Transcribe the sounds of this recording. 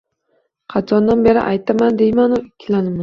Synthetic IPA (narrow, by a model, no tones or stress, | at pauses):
qʰɑt̪ʰɒnd̪anbe̞ɾɪ̰ʔajt̪ʰamand̪e̞jmanʊɪkʲʰːlanɪman